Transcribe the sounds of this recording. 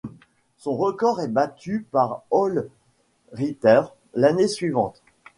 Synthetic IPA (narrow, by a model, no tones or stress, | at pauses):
sɔ̃ʁəkɔʁɛbat̪ʰypaʁɔl | ʁit̪ɛʁ | lanesɥivɑ̃t̪